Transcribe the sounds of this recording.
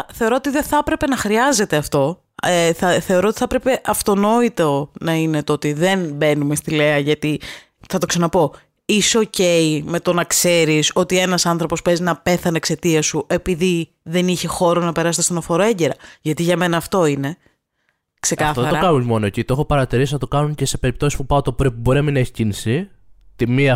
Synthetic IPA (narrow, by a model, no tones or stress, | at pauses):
θe̞o̞ɾoot̪iðe̞θɐpɾe̞pe̞nɐxɾiɐze̞t̪e̞ɐft̪o̞ | eθɐθe̞o̞ɾo̞ot̪i̥θɐpɾe̞pe̞ʔɐft̪o̞no̞it̪onɐine̞t̪oot̪iðe̞nbe̞nume̞st̪ile̞ɐʝɐt̪i | θɐt̪o̞ksɐnɐpo̞ | isoce̞ime̞t̪o̞nɐkse̞ɾiso̞t̪ie̞nɐsɐnθɾo̞po̞spe̞znɐpe̞θɐneekse̞t̪iɐsue̞piði | ðe̞niçe̞xo̞ɾonɐpe̞ɾɐst̪st̪onɐfoɾoe̞ɲɟe̞ɾɐʝɐt̪iʝɐme̞nɐːft̪o̞ine̞ | kse̞kɐθoðeɐɾokɐumo̞noecit̪oexopɐɾɐt̪iɾisinɐt̪o̞kɐnuncese̞pe̞ɾip̚t̪o̞sispupɐot̪opɾipubo̞inɐminɐeçi̥cinisit̪imiɐ